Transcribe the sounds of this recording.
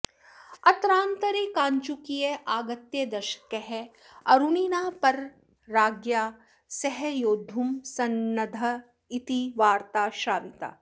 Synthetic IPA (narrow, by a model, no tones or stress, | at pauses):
ɐt̪ɾãːnt̪ɐɾekãːɲt͡ʃukijeʔaːɡɐt̪jed̪ɐɾʃɐ̥kːeɦɛ | ɐɾuniːnaːpɐɾː | aːɡjaː | sɛɦɛjoːd̪ʱumsɐnːɐd̪ʱɐ | it̪iʋaːɾt̪aːʃaːʋit̪a̰ː